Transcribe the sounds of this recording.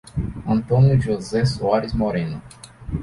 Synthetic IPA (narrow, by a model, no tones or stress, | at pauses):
ɐ̃nt̪õnjʊʒozɛsoaɾizmoɾẽnʊ